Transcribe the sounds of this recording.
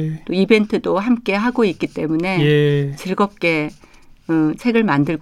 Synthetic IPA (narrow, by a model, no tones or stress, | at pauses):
t͈oibe̞ntʰɯdoɦamk͈e̞ɦaɡoik͈̚it͈e̞mune̞t͡ɕɯɭɡʌp̚k͈e̞ | ɯt͡ɕʰe̞ɡɯɭmandɯɭ